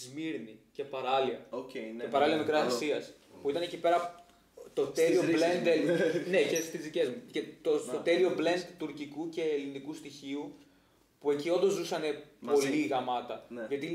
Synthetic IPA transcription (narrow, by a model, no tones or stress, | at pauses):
zmiɾnice̞pɐɾɐliɐoepɐɾɐliɐmikɾɐsɐksiɐs | puit̪ɐnecipe̞ɾɐ | t̪ot̪e̞lioblend̪enecest̪izðice̞zmucet̪ost̪ot̪e̞lio̞ble̞nd̪t̪uɾcikuce̞ːlinikust̪içiu | pue̞cio̞nd̪o̞zzusɐne̞po̞liɣɐmɐt̪ɐʝɐt̪i